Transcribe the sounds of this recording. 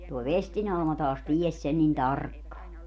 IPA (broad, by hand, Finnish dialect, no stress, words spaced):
toi ʋestin ɑlmɑ tɑːs ties sen nin tɑrkːɑː